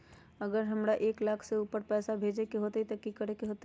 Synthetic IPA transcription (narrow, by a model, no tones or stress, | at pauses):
əɡəɾɦəmɾaʔeːklaːkʰseuːpəɾpɛːsabʱed͡ʒekeɦot̪eit̪ɔkikəɾekeɦot̪